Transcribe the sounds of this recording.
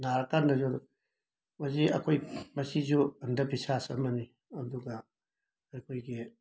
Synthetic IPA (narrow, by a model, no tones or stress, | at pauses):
naɾɐkandɐzu | mɐziɐ̰kʰojmɐsizuɐndɐpʰisasɐ̰mɐni | ɐduɡɐː | jkʰojɡi